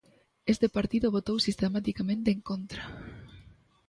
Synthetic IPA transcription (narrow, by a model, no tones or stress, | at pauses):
est̪epaɾt̪iðʊβ̞ot̪owsist̪emat̪ikamẽnt̪eeŋkont̪ɾa